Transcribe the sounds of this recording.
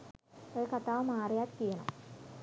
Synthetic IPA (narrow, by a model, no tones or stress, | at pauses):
okɐt̪aːʋɐmaːrijaːt̪k̪ijɐɳɐ̰m